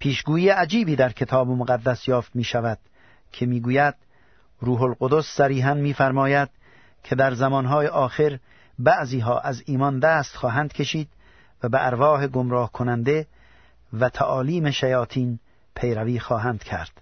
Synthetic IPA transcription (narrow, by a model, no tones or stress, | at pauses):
pʰiːʃɡuːjiːeʔæd͡ʒiːbiːd̪æɾkʰe̞t̪ʰɒːbomoɣæd̪ːæsjɒːft̪miːʃævæd̪̥ | kʰe̞miːɡuːjæd̪̥ | ɾuːɦolɡod̪osːæɾiːɦænmiːfæɾmɒːjæd̪̥ | kʲʰe̞d̪æɾzæmɒːnɦɒːjeʔɒːxeɾ | bæʔziːɦɒːʔæziːmɒnd̪æːst̪xɒːɦænd̪̚kʰʲe̞ʃiːd̪ | væbeʔæɾvɒːɦeɡomɾɒːhkʰonænd̪e̞ | væt̪ʰæʔɒːliːmeʃæjɒːt̪ʰiːn | pʰe̞jɾæviːxɒːɦænd̪̥kʲʰæ̰ɾd̪̥